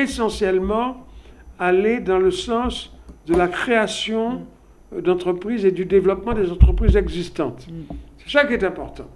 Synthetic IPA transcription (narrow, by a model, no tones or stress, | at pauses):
esɑ̃sjɛlmɑ̃ | aled̪ɑ̃ləsɑ̃sd̪əlakχeasjɔ̃ | d̪ɑ̃t̪χəpχized̪yd̪evlɔpmɑ̃d̪ezɑ̃t̪χəpχizɛɡzist̪ɑ̰̃t̪sɛ̥sakʲiɛt̪ɛ̃pɔʁt̪ɑ̃